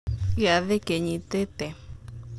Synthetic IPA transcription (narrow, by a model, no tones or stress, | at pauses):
iaðekeɲĩt̪et̪e